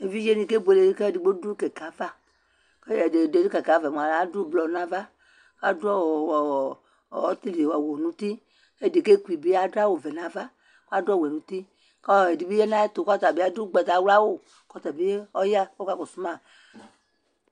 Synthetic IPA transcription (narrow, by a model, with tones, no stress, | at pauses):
e˨vi˦d͡ʒe˦nĩ˨ke˦be˨le˨˦ke˦˨di˨ɡ͡bo˦du˦kɛ˨ka˨˦va˦ | ke˦˨de˨de˨de˦ke˨ka˨˦va˨m˨a˨a˦du˦˨blɔ˨nã˨va˦ | ka˦dɔ˦˨˦ | t̪i˦li˨a˨wo˨nũ˦t̪i˦ | e˦de˨ke˦ku˨i˨be˦a˦do˦a˦wo˨vɛ˨nã˨va˦ | ka˦dɔ˦˨we˨nũ˨˦t̪i˦ | kɔ˦˨e˨di˨be˦je˦nã˦e˦t̪o˨kʷa˦t̪a˨be˦a˨˦du˦ɡ͡bɛ˨t̪a˨˦wu˦la˦wo˦ | kɔ˦t̪a˨be˦e˦ɔ˦ja˦wɔ˦ka˦kɔ˨su˦mã˦˨